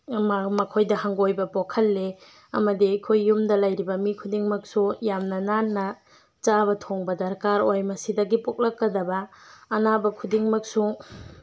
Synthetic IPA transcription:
mmɐkʰojdɐɦaŋɡojbɐpokʰɐlːe | ɐ̰mɐdiajkʰojːumdɐlɐjɾibɐmikʰudiŋmɐk̚sujamnɐnanːɐ | t͡ʃabɐtʰoŋbɐdɐɾkaɾojmɐsidɐɡipok̚lɐkːɐdɐbɐːnabɐkʰudiŋmɐk̚su

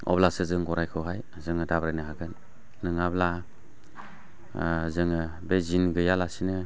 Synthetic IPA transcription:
ɔ̰blasɯzɯŋɡɔɾajkʰɯwɦaj | zɯŋɯdabɾajnɯɦaɡɯnː | ɯŋabla | zɯŋɯ | bezinɡɯjalasinɯ

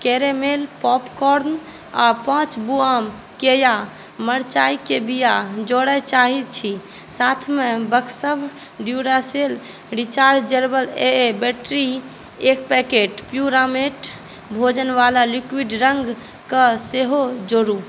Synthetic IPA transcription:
keɾemelpɔpkɔɾn | apãːt͡ʃbuam | keja | məɾt͡ʃaikebijad͡ʒoɽət͡ʃaɦit̪̚t͡ʃʰi | sat̪ʰmebəkʰsəbʱ | ɖjuɾasel | ɾit͡ʃaɾd͡ʒd͡ʒəɾbəleebɛʈɾi | ekpɛkeʈpjuɾameʈ | bʱod͡ʒənʋalalikwiɖɾəŋɡ | kəseɦod͡ʒoɾu

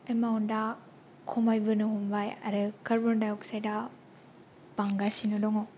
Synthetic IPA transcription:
emawnda | kʰɔmajbɯnɯɦumbaja̰ɾɯkɐɾbɔndauksajda | b̥aŋɡasinɯdɔŋɔ

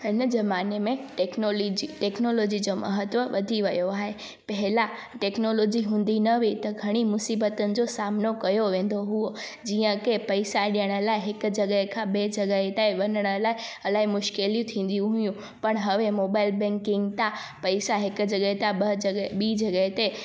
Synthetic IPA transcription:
ɪnzɐmaːnemẽʈeknold͡ʑiʈeːknoːloːd͡ʑid͡ʑomɐ̰ɦət̪ʋəʋɐd̪ʱiʋɐjoaːɦe | pɐɦɪla | ʈeːknoːloːd͡ʑiɦũːn̆d̪inɐʋit̪ɐɡʱɐɽ̃imʊsiːbət̪ənɪ̆d͡ʑoːsaːmnokɐjoʋẽːn̆d̪oɦuo | d͡ʑiːə̃kepɐɪsaɗijəɽ̃ə̆laːɪɦɪkʊ̆d͡ʑɐɡəɦekʰãɓeːd͡ʑɐɡəɦet̪aeʋɐnəɽ̃əlaːɪɐlaːɦimʊʃkeljũt̪ʰĩːn̆d̪ijũɦʊjũ | pɐɽ̃ɦɐʋemoːbaːɪlbɛ̃ŋkɪ̃ŋɡt̪ã | pɐɪsaɦɪkʊd͡ʑɐɠəet̪ãɐd͡ʑɐɓiːd͡ʑɐɡəɦet̪e

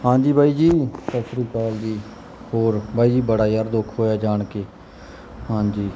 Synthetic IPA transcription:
ɦãːd͡ʒiːbʱaːiːd͡ʒiːsəsɾiːt͡ʃaːld̪iː | hoːɾbʱaːiːd͡ʒiːbəɽaːjaɾd̪ʊkʰɦoːjaːd͡ʒaːɳkeː | hãːd͡ʒiː

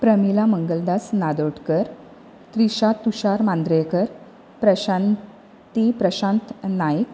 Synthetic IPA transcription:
pɾəmilaməŋɡəld̪asnad̪oʈkəɾ | t̪ɾiɕat̪ːuɕaɾmand̪ɾekəɾ | pɾəɕan | t̪ipɾəɕãnt̪najik

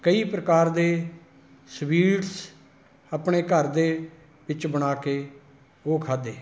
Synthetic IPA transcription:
kəiːpɾəkaːɾd̪eː | sʋiːʈs | aːpɳeːkəɾd̪eː | ʋɪt͡ʃbəɽ̃aːkeː | oːkʰaːd̪eː

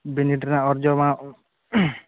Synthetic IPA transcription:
biniʈɾnaɔɾd͡ʒɔma

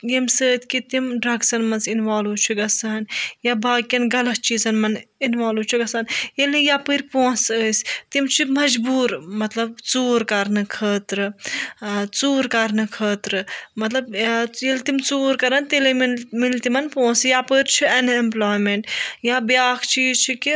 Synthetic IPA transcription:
jimsəːt̪ʰkit̪imɖɾɐɡsɐnmɐnzinʋaːluːt͡ʃʰuɡɐsɐnjabaːkʲːɐnɡɐlɐst͡ʃʰizɐnmɐninʋaːluːt͡ʃʰuɡɐsɐnjelnɨjaːpəɾʲpõːnsəːst̪imt͡ʃʰimɐd͡ʒbuːɾmɐt̪lɐb̚t͡suːɾkɐɾnɨkʰəːt̪ɾɨ | t͡suːɾkɐɾnɨkʰəːt̪ɾɨmɐt̪lɐbjelt̪imt͡suːɾkɐɾɐnt̪elimmilt̪imɐnpõːnsjapəːɾt͡ʃʰiɐnemplaːjmeɳʈjaːbjaːkʰt͡ʃiːzt͡ʃʰiki

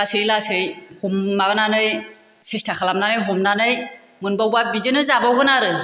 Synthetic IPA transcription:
asɯjlasɯjhummaɡɯnanɯj | sestʰakʰalamnanɯjɦumnanɯj | mɯnbawbabidɯnɯzabawɡɯnaɾɯ

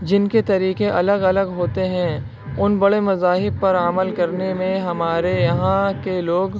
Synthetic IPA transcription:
d͡ʒɪnket̪ɐɾiːkeʔɐləɡɐləɡɦoːt̪eɦɛ̃ | ʊnbɐɽemɐzaːɦɪb̚pɐɾəməlkɐɾnemẽɦɐmaːɾejɐɦãkeloːɡ

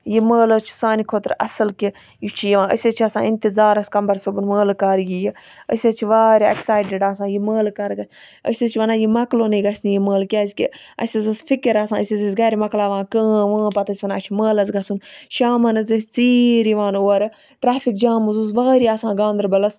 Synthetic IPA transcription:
jiməːlɐzt͡ʃʰu̥saːnikʰoːt̪ɾɐ̰sɐlki | jit͡ʃʰijiʋãːə̰sʲɐt͡ʃʰiɐsã̰ːɪnt̪izaːɾɐskɐmbɐɾsɐbunməːlkaːɾjiji | ə̰sʲɐt͡ʃʰiʋaːɾʲiḛksaːjɖiɖaːsãːjiməːlkɐːɾɡɐsʲ | ə̰sʲɐzt͡ʃʰiʋɐnaːjimɐkloːniɡɐsʲnijiməːlkʲɐzʲkʲḭɐ̰sʲɐzɐsfikɐɾaːsãːəsʲɐzɐsɡɐːɾʲimɐklaːʋãːkə̃ːʋãːpɐt̪ɐsʲʋɐnaːt͡ʃʰiməːlɐzɡɐsunʃaːmɐnɐzɐsʲt͡siːɾiʋãːnoːɐɾɨ | ʈɾaːfʰikd͡ʒaːmuzuzʋaːɾiaːsãːɡãːnd̪ɐɾbɐlɐs

